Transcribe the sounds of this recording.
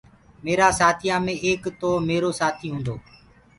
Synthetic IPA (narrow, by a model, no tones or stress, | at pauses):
meːɾaːsaːt̪ʰijãːmẽːʔeːkt̪oːmeːɾoːsaːt̪ʰiːɦũːnd̪oː